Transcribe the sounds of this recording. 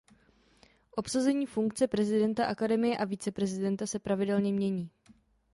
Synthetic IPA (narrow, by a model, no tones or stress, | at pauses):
ʔo̞psazɛɲiːfuŋkt͡sɛpɾɛzɪdɛnt̪aʔakadɛmɪjɛʔaviːt͡sɛpɾɛzɪdɛnt̪asɛpɾavɪdɛlɲɛmɲɛɲiː